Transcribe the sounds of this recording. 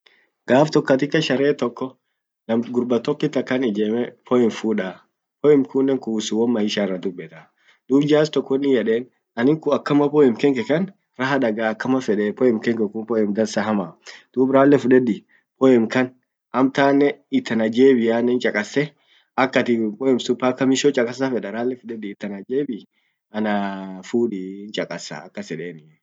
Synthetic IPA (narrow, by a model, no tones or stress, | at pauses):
ɡaːft̪ɔkːɐt̪ɪkːɐʃɐɾeːt̪ɔkːɔ | nɐmɡʊɾbɐt̪ɔpːɪt̪ɐkːɐnɪd͡ʒeːmɛpɔɪmfuːᶑaː | pɔɪmkuːnːɛŋkuːsuwɔmmɐhɪʃaːrːɐd̪ʊbːɛt̪a | d̪̥uːbd͡ʒaːst̪ɔkːɔnːɪjɛᶑeːn | ɐnɪŋkʊɐkːɐmɐpɔɪmkɛŋkɛkɐn | ɾɐɦɐᶑɐɡaːɐkːɐmɐfɛᶑɛpɔɪmkɛŋkɛkʊmpɔɪmd̪ɐɾsɐɦɐmaːd̪̥uːbɾaːlːɛfʊᶑɛd̪ɪ | pɔɛmkɐn | ɐmt̪aːnːɛɪt̪ːɐnɐd͡ʒeːbɪjaːnːɛnt͡ʃʼɐkʼɐsːɛ | ɐkːɐt̪ɪpɔɛmsʊpːakːɐmɪʃɔt͡ʃʼɐkʼɐs̬afɛᶑɐɾaːlːɛfʊᶑɛd̪ɪːt̪ːɐnɐd͡ʒeːbɪ | ɐnɐfuːᶑiɪnt͡ʃʼɐkʼɐsɐ̰ɐkːɐsɛᶑeːnɪ